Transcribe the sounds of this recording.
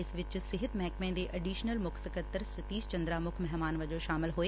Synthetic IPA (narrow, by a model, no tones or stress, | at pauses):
ɪsʋɪt͡ʃsɪɦət̪mɛːkmẽːd̪eʔɐɖiːʃnəlmʊkʰsəkəɾt̪əɾsɪt̪iːst͡ʃɐ̃nd̪ɾamʊkʰmɛɦmaːnʋɐd͡ʒoʃaːmɪlɦoeː